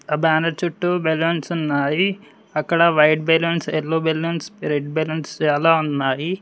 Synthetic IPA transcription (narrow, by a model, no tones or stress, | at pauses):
ɐbaːnɐɾt͡ʃuʈːubelonsunːaːji | ɐkːɐɽɐʋɐjʈ̚belɐnselːoːbelonsɾeɖbelɐnst͡ʃaːlaːunːaːji